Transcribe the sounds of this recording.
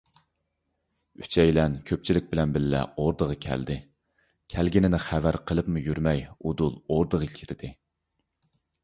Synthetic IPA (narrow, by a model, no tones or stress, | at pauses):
yt͡ʃʰɛjlɛnkʲʰøp̚t͡ʃʰilɪk̚ʲbɪlɛnbɪlːɛ̰oɾd̪əʁɑkʲʰæ̰ld̪ɪ | kʲʰælɡʲinɪnɪχævæɾqʰəlˠɨpmujyɾmɛjud̪ulˠoɾd̪əʁəkʲʰiɾɪd̪̥ɪ